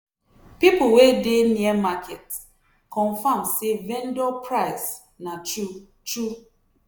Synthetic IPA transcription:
pipʊwedeniɛmakʰet | kɔ̃nfamsevendɔpʰɾaɪs | nat͡ʃu | t͡ʃu

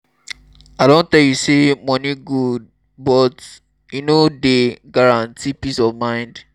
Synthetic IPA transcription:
adõntɛljusemɔ̃nĩɡud̚ | bɔt | inodeɡaɹãntʰipisɔvmãɪ̃nd

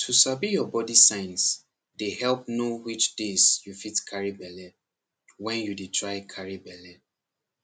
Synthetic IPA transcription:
tʰusabijɔbɔdisãɪ̃ns | dehɛlp̚nowit͡ʃdezjufitkʰaɹibɛlɛ | wɛ̃njuditʰɹaɪkʰaɹibɛlɛ

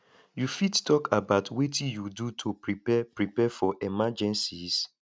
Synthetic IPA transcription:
jufidtʰɔkʰabaʊtwetʰijudutʰopɹipɛpɹipɛfɔʔɛmad͡ʒɛ̃nsis

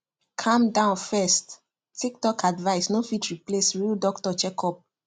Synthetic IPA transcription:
kʰãmdãʊ̃nfɛst | tik̚tɔkʰadvaɪsnofitɹiplesɹildɔktɔt͡ʃɛkʰɔp̚

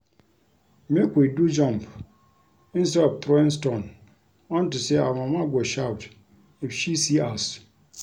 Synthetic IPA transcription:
mekwidud͡ʒɔ̃mp | ĩnstɛdɔvt̪ɾɔĩns̬tõn | ɔ̃ntuseamãmaɡʷoʃawt | ifʃisias

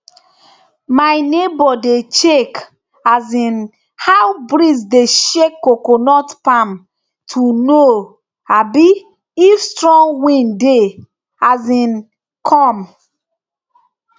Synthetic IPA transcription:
majnebɔdet͡ʃek | azĩn | hawbɾisdeʃekːokonɔtpam | tʰuno | abiː | fstɹɔ̃ŋwĩnde | azĩn | kʰɔm

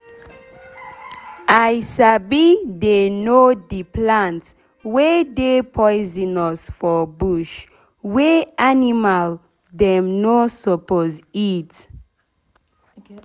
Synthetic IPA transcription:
ajsabidenodiplãnt | wɛdepʰɔjzĩnɔsfɔbuʃ | wɛanimal | dɛ̃mnosɔpozit

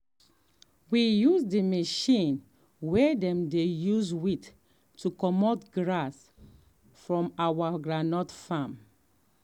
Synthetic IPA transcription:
wijuzdimeʃĩn | wedɛ̃mdejuzwit | tːukɔmɔtɡɹas | fɹɔ̃mawaɡɹanɔtfãm

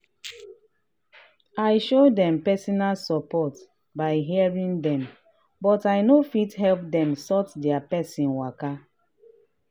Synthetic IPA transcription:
aɪʃodɛ̃mpɛsɔnalsɔpɔt | baɪɦiaɹĩŋdɛ̃m | bɔtajnofitɦɛlp̚dɛ̃msɔtdɛapɛsĩnwaka

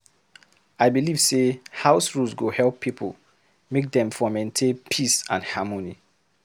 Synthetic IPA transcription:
aɪbiliv̥sehaʊsɹusɡohɛlˠpʰːipʰo̰l | mek̚dɛ̃mfɔmɛ̃ntʰepʰisã̰nhamoni

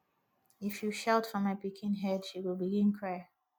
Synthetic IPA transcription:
ɪfjɨʃɛlˠtfɹə̃mapɪkʰɪ̃nɦɛd̥ʃiwɪlˠbiɡɪ̃nkʰɹ̥ɛ

